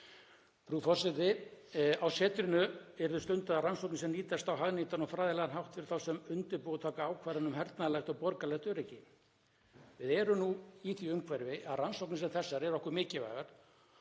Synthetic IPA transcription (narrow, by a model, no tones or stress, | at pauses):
fɾufɔr̥sɛt̪ɪ | awsɛːt̪ɾʏnʏɛɾðʏst̪ʏnt̪aðaransɔwknɪsɛmliːt̪ast̪awɦaɣnit̪anɔfɾaːðɪlɛɣanɦawht̪vɪɾ̥θawsɛmʏnt̪ɪɾpoːɣt̪ʰaːkaaːwkʰvaːɾanʏmhɛɾt̪naðlɛxt̪ɔɣpɔɾkalɛxt̪œɾɛjcːɪ | vɪðɛɾʏmnuiθiʏmkʰvaɾvɪʔaðransɔwknɪs̬ɛmθɛsːaɾɛɾɔhkʏɾmɪːcɪva̰ːjɣaɾ̥